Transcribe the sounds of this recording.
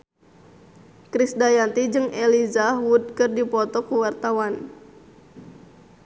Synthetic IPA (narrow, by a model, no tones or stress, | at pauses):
kɾisdajant̪id͡ʒɨŋelizawud̪̚kɨrdipɔt̪ɔkuwart̪awan